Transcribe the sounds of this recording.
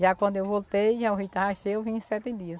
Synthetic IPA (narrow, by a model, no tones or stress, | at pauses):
ʒakwɐ̃nd̪ʊewvolt̪ejʒauɦit̪ahaʃejewvĩsɛt̪ɪd̪iɐs